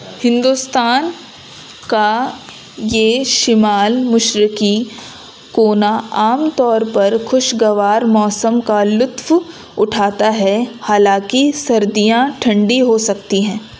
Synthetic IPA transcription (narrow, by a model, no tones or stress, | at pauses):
hɪ̃nd̪ust̪aːn | ka | jeːʃɪmaːlmʊʃɾɪki | koːnaaːmt̪ɔːɾpɐɾxʊʃɡɐʋaːɾmɔːsəmkalʊt̪w | ʊʈʰaːt̪aɦɛhaːlãkisɐɾd̪ijãʈʰɐ̃ɳɖiɦosɐkt̪iɦɛ̃ː